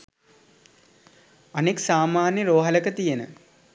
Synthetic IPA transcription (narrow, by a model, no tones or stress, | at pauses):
ɐniksaːmaːnjəɾoːɦɐləkət̪ijenə̰